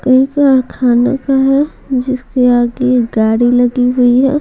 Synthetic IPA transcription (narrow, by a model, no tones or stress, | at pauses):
kɐɦĩkaɾkʰaːna̰kaɦɛ | d͡ʒɪskeaːɡeɡaːɽilɐɡiɦʊiɦɛ̰ː